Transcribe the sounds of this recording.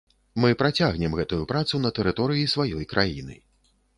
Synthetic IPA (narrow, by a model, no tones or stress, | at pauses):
mɨpɾat͡sʲaɣnʲɛmɣɛt̪ujupɾat̪sunɐt̪ɛɾɨt̪ɔɾɨjisvajɔjkɾʔajḭnɨ̰